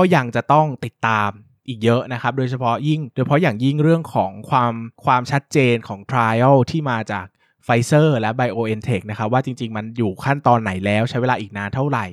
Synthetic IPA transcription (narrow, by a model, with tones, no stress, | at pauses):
kɔː˥˩ja˧ŋt͡ɕa˨˩t̪ɔ˥˩ŋt̪i˨˩t̪ːaː˧m | ʔiː˨˩k̚jɤ˦˥ʔna˦˥kʰa˦˥p̚doː˧jt͡ɕʰa˧pʰɔ˦˥ji˥˩ŋdoː˧jpʰɔ˦˥jaː˨˩ŋji˥˩ŋɾɯ˥˩əŋkʰɔː˩˦ŋkʰwaː˧mkʰwaː˧mt͡ɕʰa˦˥t̪̚t͡ɕeː˧nkʰɔː˩˦ŋt̪ʰɾaː˧ja˥˩wt̪ʰiː˥˩maː˧t͡ɕaː˨˩k̚ | fa˧jsɤː˥˩lɛ˦˥ba˧jʔoː˧ʔe˧nt̪ʰe˨˩k̚na˦˥kʰa˦˥p̚waː˥˩t͡ɕi˧ŋt͡ɕi˧ŋma˧njuː˨˩kʰa˥˩nt̪ɔː˧nːa˩˦jlɛː˦˥wt͡ɕʰa˦˥jwe˧laː˧ʔiː˨˩k̚naː˧nt̪ʰa˥˩wɾa˨˩j